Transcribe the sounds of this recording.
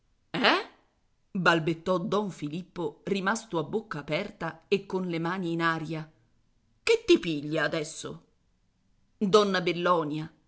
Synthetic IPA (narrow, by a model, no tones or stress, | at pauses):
ɛ | balbet̪ːɔd̪ɔɱfilipːorimast̪oabːokːaːpɛrt̪aekːonlemaːniːnaːɾja | ket̪ːipiʎːaːd̪ɛsːo̰ | d̪ɔnːabelːɔːnja